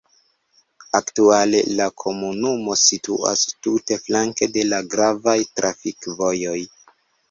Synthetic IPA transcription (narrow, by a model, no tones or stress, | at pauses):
aktuale̞lakʰo̞munumo̞sitṵa̰stute̞flaŋke̞de̞laɡɾavajtɾʔafikvo̞jo̞j